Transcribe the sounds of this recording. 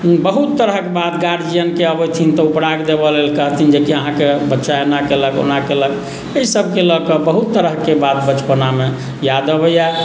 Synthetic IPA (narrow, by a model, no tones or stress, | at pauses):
bəɦut̪ːəɾəɦkebat̪ɡaɽd͡ʒijənkeəbəjt̪ʰint̪ɔupɽaɡd̪ebəlelkəɦt̪ʰind͡ʒekiəɦãkebətːʃaenakeləɡo̰nakeləɡ | əisəb̚ʱkelɔkəbəɦut̪ːəɾəɦkebat̪̚bət͡ʃpəname | jad̪əbəja